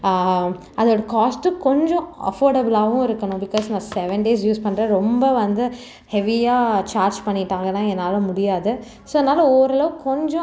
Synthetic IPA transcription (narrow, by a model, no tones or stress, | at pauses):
ɐðoːɽɐkaːsʈkɔɲd͡ʒɔ̃ɐ̰foːɾɖɐbɪlaːʋʊ̃ɪɾɯkːɐɳʊ̃bɪkɔːsnɐsɛʋɛɳɖeːs̬juːspɐɳːɾɐɾɔmbɐʋɐnd̪ɯ | hɛʋɪjaːt͡ʃaːɾd͡ʒpɐɳːɪʈːãːŋɡɐnãːɛnːaːlɐ̃mʊɽɪjaːðɯ | soːɛnːaːlɐoːɾɛlɐʋɯkɔɲd͡ʒɔ̃